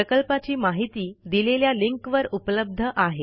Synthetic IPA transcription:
pəkəlpat͡ɕiːmaɦit̪iːd̪ileljaliŋkʋəɾupləb̚d̪ʱəʔaɦe

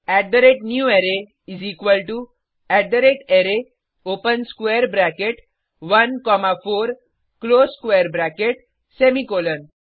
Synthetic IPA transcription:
æɖɖəɾeʈnjueɾe | izikʋəlʈu | æɖɖəɾeʈeɾe | opənskʋeɾbɾɛkeʈ | ʋənkɔmafoɾ | kloskʋeəɾbɾɛkeʈ̚ | semikolən

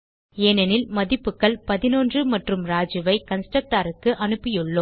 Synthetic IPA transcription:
eːnɐnɪlmɐðɪpːɯkːɐɭpɐðɪnoːndrɯmɐʈrɯmɾaːd͡ʒɯʋɐɪkɐnsʈɐk̚ʈaːɾɯkːɯʔɐnɯpːɪjɯɭːo

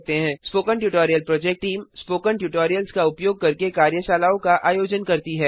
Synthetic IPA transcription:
t̪eɦɛ̃ːspoːkəɳʈjuːʈoːɾijəlpɾɔːd͡ʒɛːk̚ʈːʈiːmspoːkəɳʈjuːʈoːɾijəlskaʊpjoːɡ̚kɐɾkekaːɾjəʃaːlaːõkaʔaːjoːd͡ʒənkɐɾt̪iɦɛː

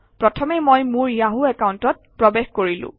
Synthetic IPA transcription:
pɹɔtʰɔmɛmojmʊɹiaɦuɛkawntɔt̚pɹɔbexkoɹilʊ̰̃

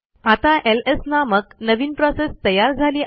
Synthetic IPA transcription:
at̪aʔelesnaməknəʋinpɾɔsest̪əjaɾd͡zʱaliː

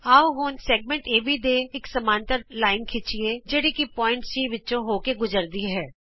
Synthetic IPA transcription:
aːwɦoːnseːɡmẽɳʈeːbʱid̪eːɪksɐmãːnt̪əɾlaːɪnkʰɪt͡ʃied͡ʒeːɽikipɔːɪ̃ɳʈsiːʋɪtːt͡ʃʃõɦoːkeɡʊzəɾd̪iɦɛː

